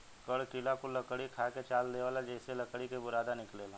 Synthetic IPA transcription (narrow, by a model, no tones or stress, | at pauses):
kəɽkɪlakʊlɐkɽikʰaːket͡ʃaːld̪eʋaːlad͡ʒɛːselɐkɽikebʊɾaːd̪anɪkleːlaː